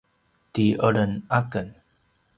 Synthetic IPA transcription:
tiʔəɭənakən

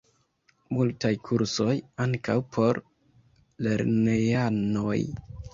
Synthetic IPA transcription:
multajkʰuɾso̞jaŋkawpʰo̞ɾ | le̞ɾnejanoj

